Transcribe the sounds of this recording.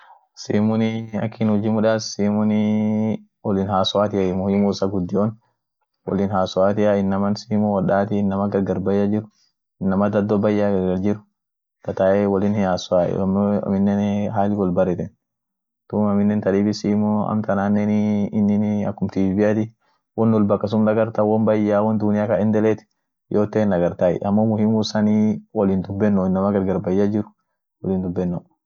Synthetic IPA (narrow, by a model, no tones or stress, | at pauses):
sḭːmʊnɪɐ̰kːinʊd͡ʒɪmʊᶑaːssiːmʊni | ɔlɪnhaːsʊaːt̪ɪjaimʊhimusɐɡʊd̪ːɪɔn | wɔ̰lɪnɦaːsʊaːt̪ɪjaɪnːɐmɐnsiːmʊwɐɗaːt̪inːɐmɐɡɐɾɡɐɾbɐjːad͡ʒɪɾʊ | ɪnːɐmɐd̪ɐd̪ɔbɐjːaɡɐɾɡɐld͡ʒɪɾʊ̥ | t̪ɐt̪aɛwɐlɪnaːsʊa̰ːm̰mɪnːɛnɦaːlɪkɔlbɐɾɛt̪ɛn | t̪umamɪnːɛnt̪ɐdiːbisiːmɔa̰mt̪ɐnaːnːɛniːnːinia̰kːʊmt̪ibɪat̪i | wɔnːulbɐkːas̬umdaɡɐɾt̪awɔnbajːawɔnd̪unɪjakaɪnd̪ɛlɛt̪i̥ | jʔot̪ːɛnɐɡɐɾt̪aɛ̰ʔamːomʊhimusaniwɔlind̪ubːɛnːɔɪnːɐmaɡɐɾɡɐɾbajːad͡ʒɪɾʊ̥ | wɔlɪnd̪ubːɛnːo